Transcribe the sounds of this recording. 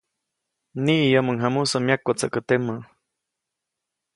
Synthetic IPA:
niʔjəməŋɦamusəmjakːat͡səʔkət̪emə

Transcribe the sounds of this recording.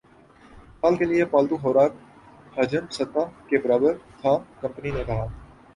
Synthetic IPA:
ɦaːlkelijepaːlt̪ũɦoːɾaːk̚ | hɐːd͡ʒəmsət̪faːkebəɾaːbəɾt̪ʰaːkɐ̃mpəninekɐɦaː

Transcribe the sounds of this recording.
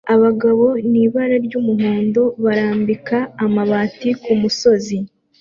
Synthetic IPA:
aβaɡaβo̞niːβaɾaɾɟumuɦoːndo̞βaɾaːmbikaːmaβaːtikumuso̞zi

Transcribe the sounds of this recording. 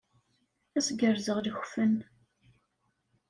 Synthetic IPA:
æsɡəɾzəʁləxfən

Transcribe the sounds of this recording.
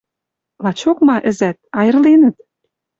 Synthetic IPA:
lɑt͡ɕokmɑʔɘ̆zæt̪̚ɑjɤ̆rlenə̆t̪̚

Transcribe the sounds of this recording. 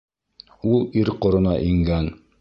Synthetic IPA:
ulˠiɾqŏɾɤ̆nɑʔiŋɡæn

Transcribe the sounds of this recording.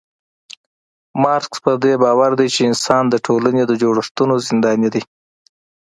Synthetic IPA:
mɑɾkspəd̪ebɑwaɾd̪ajt͡ʃeɪnsɑnd̪əʈʰolaned̪əd͡ʒoɽəʂt̪unozɪnd̪ɑnid̪i

